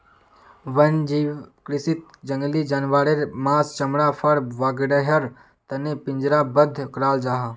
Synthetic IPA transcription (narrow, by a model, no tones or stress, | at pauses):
ʋɐnd͡ʒiːʋkɾɪsit̪̚d͡ʒəŋɡlid͡ʒɐnʋaːɽeɾmaːst͡ʃɐmɽaːfʰɐɽʋaːɡɽəɦɐɾ | t̪ɐnepɪ̃ɲd͡ʒɾabəd̪ʱkɾaːld͡ʒaːɦaː